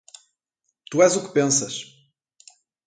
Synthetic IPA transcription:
t̪uɛzukɨ̥pẽsɐʃ

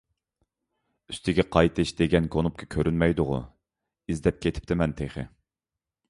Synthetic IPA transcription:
y̥st̪ɪɡʲɛqʰɑjt̪ʰɨʃd̪eɡʲɛnkʰonup̚kʰɑkʲʰøɾynmɛjd̪ʊʁʊ̰ | izd̪ɛp̚kʲet̪ʰɪ̥p̚t̪ʰɪmɛnt̪ʰeχɪ̰

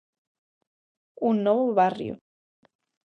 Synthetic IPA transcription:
unːɔβoβarj̰o̰

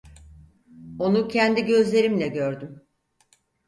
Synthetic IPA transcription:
o̞nucʰɛnd̪iɟø̞zlʲe̞ɾimlʲɛɟøɾd̪ym

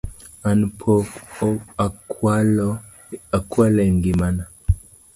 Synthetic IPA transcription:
anpʰɔ | akwalɔ | akwalɛŋɡimana

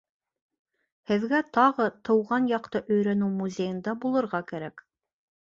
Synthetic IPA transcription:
hɘ̆ðɡæt̪ɑʁɤt̪ɤ̆wʁɑnjɑqt̪ɤʔɵ̆jɾænɘwmuzʲejɤ̆nd̪ɑbulˠɤ̆ɾʁɑkæɾæk

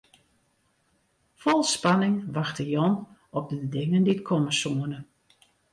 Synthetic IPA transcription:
fɔlˠspanɪŋʋaxtəjɔnɔp̚dədɪŋəndiətkʰɔməsuənə

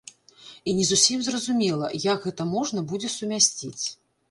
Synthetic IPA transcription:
inʲɛzusʲimzrɐzumʲɛlˠɐ̰jaɡɣɛt̪ɐmɔʐnɐbud͡zʲɛsumʲasʲt͡sʲit͡sʲ

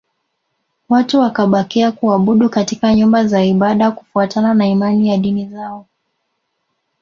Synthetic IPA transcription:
watuwakaɓakiakuaɓuɗukatikaɲumbazaiɓaɗaku̥fuatananaimanijaɗinizaɔ

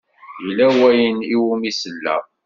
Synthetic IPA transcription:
jlæwæjəniwumisəlːæ̰

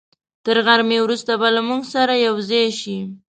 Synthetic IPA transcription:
t̪əɾɣaɾmewɾust̪abalamuɡsaɾajawzɑjʃi

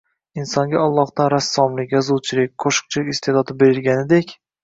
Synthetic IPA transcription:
ɪnsɒŋɡʲaɒlˠːɒhd̪anɾasːɒmlɪkʲjɒzʊlˠt͡ʃʰɪlɪk̚ʲqʰoʃɨ̥q̚t͡ʃʰɪlɪkʲɪst̪ʰed̪ɒt̪ɪbe̞ɾɪlɡʲanɪd̪ekʲ

